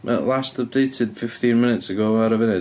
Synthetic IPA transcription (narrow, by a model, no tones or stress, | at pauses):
ʔə̰ʔlˠastəp̚d̥eɪtʰɪd̥fɪftĩnmɪ̃nɪtsəɡoːaɾəvɪnɪ